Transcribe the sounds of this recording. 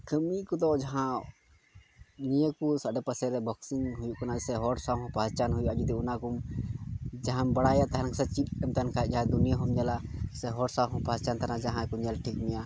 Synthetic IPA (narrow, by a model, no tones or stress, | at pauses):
kəmikɔd̪ɔd͡ʒaɦã | nijekusaɖɛpəsɛɾɛbʱɔksiŋɦujukanasɛɦɔɽsaɦɔ̃pad͡ʒt͡ʃanɦujuʔad͡ʒud̪iunakum | d͡ʒaɦãmbɐɽajat̪aɦɛnksɛt͡ʃit̪̚ɛmt̪ankʰaɛt̚ˀd͡ʒaɦad̪unijaɦɔmɲɛlasɛɦɔɽsaɦɔ̃pad͡ʒt͡ʃant̪anad͡ʒaɦãkuɲɛlʈʰikmija